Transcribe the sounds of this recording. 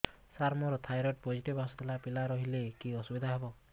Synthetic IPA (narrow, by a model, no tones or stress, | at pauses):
saɾmɔɾɔt̪ʰajɾɔʈ̚pɔd͡ʒiʈibasut̪ʰilapilaɾɔɦilekiɔsubid̪ʱaɦebɔ